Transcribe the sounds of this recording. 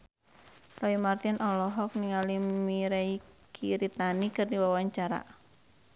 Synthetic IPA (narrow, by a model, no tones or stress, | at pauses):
rɔimart̪inʔɔlɔɦɔk̚niŋalimmiɾaikʰiɾit̪anikɨrdiwawaɲt͡ʃaɾa̰